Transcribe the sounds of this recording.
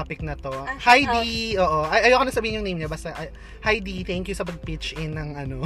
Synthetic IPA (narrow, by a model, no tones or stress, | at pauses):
pɪk̚nɐt̪o̞hajd̪iʔoːʔoʔɐʔɐjowkɐnɐsɐbiːhɪnjʊŋnejmɲɐbɐːst̪ɐʔɐ | hajd̪it̪ɛŋkjʊsɐpɐɡ̚pɪt͡ʃʔɪnːɐŋʔɐno